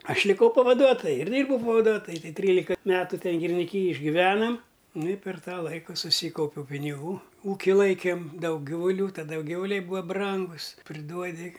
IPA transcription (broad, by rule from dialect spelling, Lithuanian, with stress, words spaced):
ˈɐʃ lʲɪˈkɐʊ pɐʋɐˈduɔtoːjʊ ɪr ˈdʲiːrbɐʊ pɐʋɐˈduɔtoːjʊ tɐɪ ˈtʲrʲiːlʲɪkɐ ˈmʲæːtʊ ˈtʲɛn ɡʲɪrʲɪnʲɪˈkʲiːjɛj ɪʒʲɡʲɪˈʋʲæːnɐm nʊ ɪ pʲɛr ˈtɑː ˈlˠɐɪkʊ sʊˈsʲiːkɐʊpʲɛʊ pʲɪnʲɪˈɡuː ˈuːkʲɪ ˈlˠɐɪkʲeːm ˈdɐʊk ˈɡʲɪʋʊˈlʲuː tɐˈdɐ ˈjɛʊ ˈɡʲɪʋʊˈlʲɛɪ ˈbuːɐ ˈbrɐŋɡʊs pʲrʲɪˈduɔdʲɪ